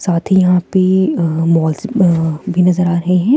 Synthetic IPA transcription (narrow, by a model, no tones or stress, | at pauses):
saːt̪ʰijɐɦãpemɔːlzbʱinɐzəɾaːɾɐɦeɦɛ̃ː